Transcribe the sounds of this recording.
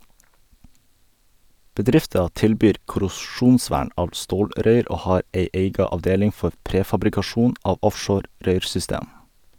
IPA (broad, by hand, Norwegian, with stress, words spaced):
bəˈdɾɪftɑ ˈtɪlbyːɾ kʊɾʊˈʃuːnˌsʋæːɳ ˈɑːʋ ˈstoːlɾœʏɾ ˈʔoː ˈhɑːɾ ˈʔeɪ ˈeɪɡɑ ɑʋˈdeːlɪŋ ˈfɔ ˈpɾeːfɑbɾɪkɑˌʃuːn ˈɑːʋ ˈɔfʃoːɾ ˈɾœʏɾsʏˌsteːm